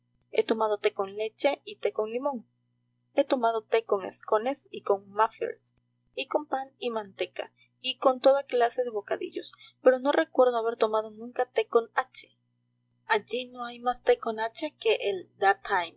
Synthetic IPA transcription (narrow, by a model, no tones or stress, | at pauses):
e̞̰t̪o̞mað̞ot̪eko̞nle̞t͡ʃe̞it̪e̞ko̞ŋlimo̞ŋ | e̞t̪omað̞o̞t̪e̞ko̞ŋḛsko̞ne̞siko̞ŋmafḛɾs | iko̞mpanimãnt̪e̞ka̰ | iko̞nt̪o̞ðaklase̞ðe̞βo̞kaðḭʎo̞spe̞ɾo̞no̞rʔe̞kwe̞ɾðoaβ̞e̞ɾt̪o̞mað̞onũŋkat̪eko̞nat͡ʃe̥ | ad͡ʒino̞ajmast̪e̞ko̞nat͡ʃe̞ke̞ʔeld̪at̪ʰajm